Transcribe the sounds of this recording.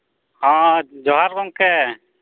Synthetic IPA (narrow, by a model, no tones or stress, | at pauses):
hãd͡ʒɔɦaɾkɔŋkɛ